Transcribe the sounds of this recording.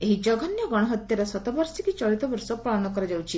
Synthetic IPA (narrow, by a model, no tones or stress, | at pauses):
eɦid͡ʒɔɡʱɔnjɔɡɔɽ̃ɔɦɔt̪jaɾesɔt̪ɔbɔɾsikit͡ʃɔɭit̪ɔbɔɾsɔpɾaɭɔnɔkɔɾad͡ʒawt͡ʃʰi